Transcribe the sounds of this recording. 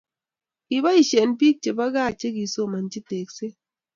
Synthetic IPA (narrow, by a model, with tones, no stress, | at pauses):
ki˨ba˦i˨ʃe˨npi˦k̚t͡ʃe˨ba˦ɡa˦˨t͡ʃe˦ki˨so˦˨ma˨nt͡ʃi˦te˨kse˦